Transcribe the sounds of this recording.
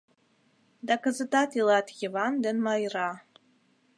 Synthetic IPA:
dakazɨtatʰilatʰɡʲɪvandɨnmajra

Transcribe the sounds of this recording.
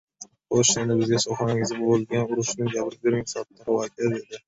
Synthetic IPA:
oʃanɪbɪzɡʲasɒχaŋɪzɡʲabbolˠɡʲanʊɾʊʃnɪŋd͡ʒabɪɾb̪eɾɪŋsat̪ʰːaɾwak̪ʰʲazed̪ɪ

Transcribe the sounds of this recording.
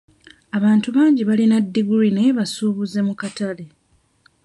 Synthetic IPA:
aβaːntuβaːɲɟiβalinadːiɡuɾine̞βasuːβuze̞mukatale̞

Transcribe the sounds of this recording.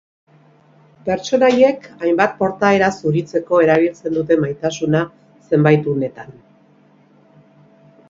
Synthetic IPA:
pe̞ɾt͡ʃo̞naje̞kajmbat̪̚po̞ɾt̪ae̞ɾasuɾit͡se̞ko̞e̞ɾaβ̞ilt͡se̞nd̪ut̪e̞majt̪asuna | se̞mbajt̪une̞t̪an

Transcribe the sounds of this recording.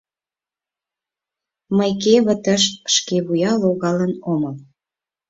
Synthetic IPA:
məjkeβə̆t̪əʃʃkeβujɑloɣɑlənoməl

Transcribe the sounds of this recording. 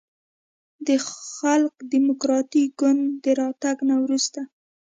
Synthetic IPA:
d̪əxalkd̪imʊkɾɑt̪iɡʊnd̪d̪əɾɑt̪aɡnawɾust̪a

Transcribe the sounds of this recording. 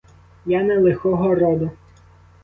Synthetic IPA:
janɛlˠexɔɦɔrɔd̪ʊ

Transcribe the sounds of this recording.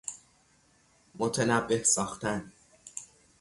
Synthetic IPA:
mot̪ʰenæbːe̞hsɒːxt̪æn

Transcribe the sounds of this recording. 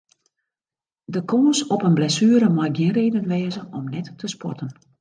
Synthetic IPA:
dəkʰoːnsɔpənblɛsyːəɾəmajɡjɪənreːdənʋɛːzəɔmnɛtːəspɔ̰tən

